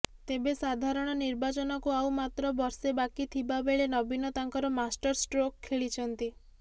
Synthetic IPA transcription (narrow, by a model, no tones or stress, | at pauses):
t̪ebesad̪ʱaɾɔɽ̃ɔniɾbat͡ʃɔnɔkuawmat̪ɾɔbɔɾsebakit̪ʰibabeɭenɔbinɔt̪aŋkɔɾɔmasʈɔɾsʈɾokʰːeɭit͡ʃʰɔnt̪i